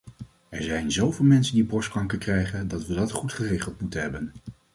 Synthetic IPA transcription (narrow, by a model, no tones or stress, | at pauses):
ɛɹzɛjnzowvɪːlˠmɛnsəndibɔskɑŋkəkrɛjχəndɑtʋədɑtχutχəreːχəlˠtmutənɦɛbən